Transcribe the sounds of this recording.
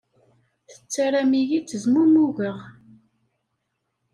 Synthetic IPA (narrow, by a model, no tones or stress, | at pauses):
θə̥t͡sːaɾæmijit͡sːəzmuɾmuʝəʁ